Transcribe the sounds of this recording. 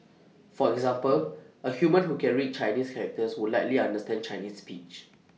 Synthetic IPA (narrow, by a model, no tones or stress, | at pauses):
fɔɛɡzãmpəlʔəhjumə̃nɦukɛɹit͡ʃaɪniskʰɛɹɛk̚təswudlaɪtliãndəstɛ̃nt͡ʃaɪnisːpḭt͡ʃ